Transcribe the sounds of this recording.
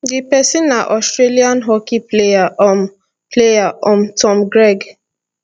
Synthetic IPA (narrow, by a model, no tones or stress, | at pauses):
dipɛsĩnːaʔɔstɹeliãnɦɔkiplejaɔm | plejaɔ̃mtʰɔ̃mɡɹeɡ